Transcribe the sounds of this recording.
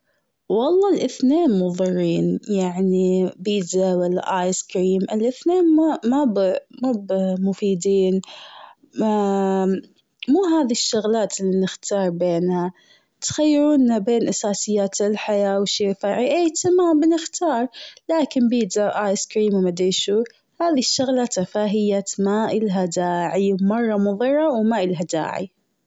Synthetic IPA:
wɑlˤːɑːlʔɪθneːnmʊðˤɨrˤːiːnjaʕnibiːd̪awalːa̰ʔaːjskɾiːmʔɪlʔɪθneːnmamabmabmʊfiːd̪iːn | muːɦaːðiʃːʊɣlaːt̪ɪlːinɪxt̪ʰɑːɾˤbeːnha | t̪xajːɪɾuːnːabeːnʔasaːsɪjːaːt̪ɪlħajaːwʃifaːʕiʔeːt̪amabnɪxt̪ʰɑːɾˤlaːkɪmbiːd̪aʔajskɾiːmwmad̪eːʃu | haːðiʃːʊɣlat̪afaːɦɪjːamaʔɪlɦad̪aːʕiwmɑrˤːɑmʊðˤɨrˤːɑwmaʔɪlɦad̪a̰ːʕḭ

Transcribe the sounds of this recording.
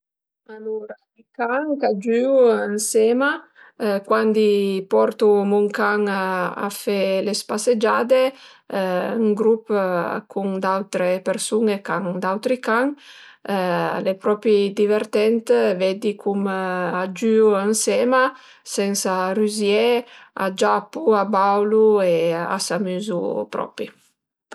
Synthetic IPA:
aluɾa | ikaŋkad͡ʒyuansɛma | kwand̪ipɔɾt̪umuŋkaŋa̰fɛlespased͡ʒaːd̪e | ŋɡɾupkʰuŋd̪awt̪ɾepeɾsuŋekaŋd̪awt̪ɾikaŋ | lepɾɔpɾid̪iveɾt̪ɛnt̪vɛd̪ikʰumad͡ʒyuaŋsɛma | sɛnsaryzjɛa̰d͡ʒapuabawluea̰samyzupɾɔ̰pɾi

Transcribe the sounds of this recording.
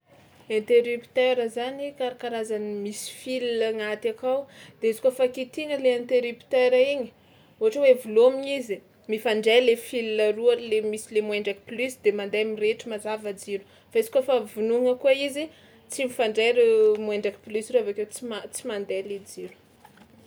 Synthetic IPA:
ent̪eɾypi̥t̪eɾəzanikaɾakaɾazanimisi̥filinaŋat̪akawd̪̥eizikofakit̪iŋəleent̪eɾupt̪eɾaiɲi̥ | oɦaʈ͡ʂəwevulomiɲizi | mifaɳɖ͡ʐejlefilinarualemisilemwɛɳɖ͡ʐaki̥plysd̪emand̪ejmireʈ͡ʂimazavad͡ziɾu̥ | faizi̥kafavunuŋəkuaizi | t͡simifaɳɖ͡ʐeɾmwɛɳɖ͡ʐaki̥plysroavakewt͡simat͡simand̪eled͡ziɾu̥

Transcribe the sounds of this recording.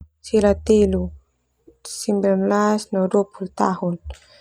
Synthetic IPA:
silat̪ilu | simbɾɛmlasnaduopʰult̪ahun

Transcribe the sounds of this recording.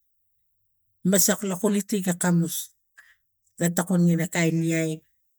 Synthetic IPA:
masaklakulitiɡakamus | ɡatakonŋinakajniaj

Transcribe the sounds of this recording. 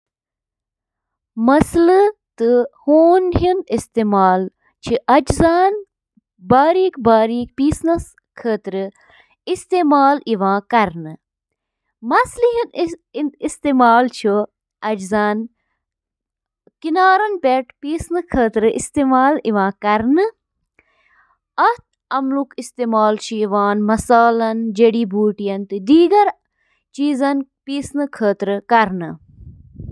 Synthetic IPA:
mɐslɨt̪ɨhoːnɦinist̪eːmaːl | t͡ʃʰiʔɐd͡ʒzaːn | baːɾiːkbaːɾiːk̚piːsnɐs | kʰəːt̪ɾɨ | ist̪eːmaːliʋãːkɐɾnɨ | mɐslɦin | ist̪eːmaːlt͡ʃʰu | ɐd͡ʒzɐn | kinaːɾɐnpeʈpiːsnɨkʰəːt̪ɾɨḭst̪eːmaːliʋãːkɐɾnɨ | ɐt̪̚ʰ | ɐmlukist̪eːmaːlt͡ʃʰiiʋaːnmɐsaːlɐnd͡ʒeɽiːbʱuːʈijɐnt̪ɨd̪iːɡɐɾ | t͡ʃiːzɐnpiːsnɨkʰəːt̪ɾɨkɐɾnɨ

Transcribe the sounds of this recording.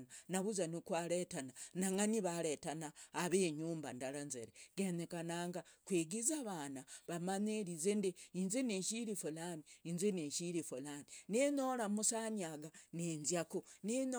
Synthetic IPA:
nanaβuzanikwaɾetananaŋaniβaɾetanaːβeːɲuːmba̰ndalanzḛɾeɡenekanaŋɡakwiːɡizaβanaβamaɲeɾizendeinzeneʃiɾifolamiinzeneʃiɾifolaminenoɾamusaniaɡanenzjakuneno

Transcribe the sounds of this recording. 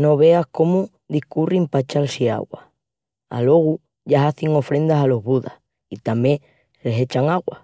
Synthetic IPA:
no̞βe̞ahko̞mo | ðihkurimpat͡ʃalsia̰ɣwa̰ | a̰lo̞ɣ̞u | ʝaaθiŋo̞fɾẽ̞nd̪asalo̞ɦβuða | it̪amje | lese̞t͡ʃaŋaɣwa

